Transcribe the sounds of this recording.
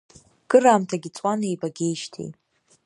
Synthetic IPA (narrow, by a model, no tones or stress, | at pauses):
ɡ̥ɨraːmtʰaɡʲit͡sʼwanejbaɡʲe̞jʃtʰḛjt